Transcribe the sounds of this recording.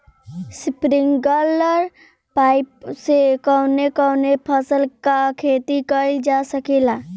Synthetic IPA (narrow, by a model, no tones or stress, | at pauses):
spɾɪŋɡələɾ | paːɪpsekɔnekɔwnepʰəsəlkakʰeːt̪ikəld͡ʒasəkelaː